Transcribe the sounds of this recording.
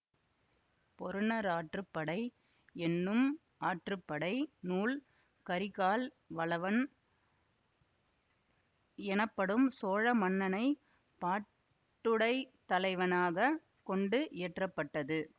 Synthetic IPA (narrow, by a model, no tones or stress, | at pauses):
pɔɾɯnɐɾaːʈrɯpːɐɽɐɪ | ɛnːɯm | ʔaːʈrɯpːɐɽɐɪnuːl | kɐɾɪɣaːl | ʋɐɭɐʋɐn | ɛnɐpːɐɽɯmsoːɻɐmɐnːɐnɐɪ | paː | ʈːɯɽɐɪt̪ːɐlɐɪʋɐnaːɣɐ | kɔɳɖɯʔɪːʈrɐpːɐʈːɐðɯ